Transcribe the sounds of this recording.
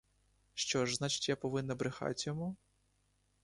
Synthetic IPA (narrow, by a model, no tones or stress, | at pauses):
ʃt͡ʃɔʒznɑt͡ʃɪ̥tʲjapɔʋɪnːɐbɾɪxɑ̰tʲjɔmu